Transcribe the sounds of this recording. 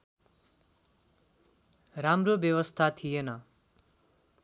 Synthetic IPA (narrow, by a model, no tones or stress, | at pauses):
ramrobjʌwʌst̪ʰat̪ʰijenʌ